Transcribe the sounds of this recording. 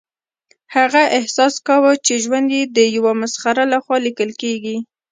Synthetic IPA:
haɣaʔɪhsɑskawət͡ʃeʒwand̪jed̪əjawamasxaɾalaxwɑlikəlkeɡi

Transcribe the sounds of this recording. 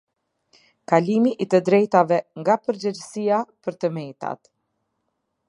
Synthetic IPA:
kalimiʔit̪əd̪ɾɛjt̪avɛŋɡapəɾd͡ʑɛd͡ʑəsijapəɾt̪əmɛjt̪a̰t̪

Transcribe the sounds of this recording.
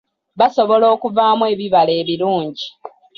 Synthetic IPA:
βaso̞βo̞lo̞ːkuvaːmwe̞ːβiβale̞ːβiɾuːɲɟi

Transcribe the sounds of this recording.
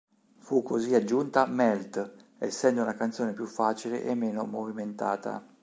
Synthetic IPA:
fukʰːoziad͡ʒːunt̪amɛlt̪ɛsːɛnd̪ounakant̪soːnepjufːaːt͡ʃilḛʔemːeːnomoviment̪a̰ːt̪a̰

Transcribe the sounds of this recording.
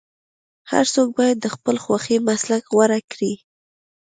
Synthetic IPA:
ha̰ɾsok̚bɑjad̪ːəxpəlxwaximaslakɣwaɾakɽi

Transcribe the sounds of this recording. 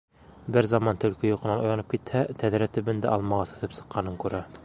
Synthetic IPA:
bɘɾzɑmɑnt̪ɵ̆lkɘjuqɤ̆nɑnŭjɑnɤp̚kit̪hæt̪æðɾæt̪ɵ̆bɘ̆nd̪æ̰ʔɒlˠmɑʁɑsɤ̆θɤpsɤ̆qːɑnɤŋkʉɾæ

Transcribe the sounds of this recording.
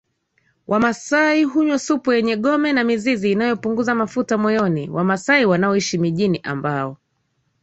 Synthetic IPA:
wʔamasaiɦuɲwɔsupujɛɲɛɠɔmɛnamiziziːnajɔpuŋɡuzamafutamɔjɔnḭwʔamasaiwanaɔiʃimiʄiniʔa̰mbaɔ

